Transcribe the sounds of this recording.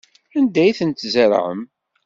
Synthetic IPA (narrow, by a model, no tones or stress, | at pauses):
ænd̪æjθənt̪zəɾ̰ʕə̰m